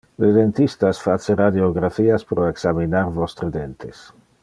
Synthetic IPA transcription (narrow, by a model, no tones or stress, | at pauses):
led̪ent̪ist̪asfat͡seɾad̪eoɡɾafiːaspɾoeksaminaɾvɔst̪ɾed̪ent̪es